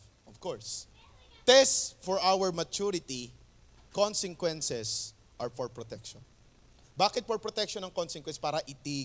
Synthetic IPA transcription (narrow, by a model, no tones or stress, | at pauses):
ʔɔvkɔɹs | t̪ɛstfɔɹʔawɛɹmɐt͡ʃuɾɪt̪i | kɔnsɪŋkwɛnsɛs | ʔɐɹfɔɹpɹɔt̪ɛkʃɔn | baːkɪt̪̚fɔɹpɹɔt̪ɛk̚ʃɔnɐŋkonsɛŋkwɛnspaːɾɐʔɪt̪i